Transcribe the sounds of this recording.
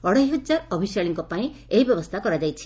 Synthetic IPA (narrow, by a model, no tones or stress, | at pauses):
ɔɽɔɦiɦud͡ʒaɾɔbʱisaɭiŋkɔpaĩeɦibjɔbɔst̪ʰakɔɾad͡ʒajt͡ʃʰi̥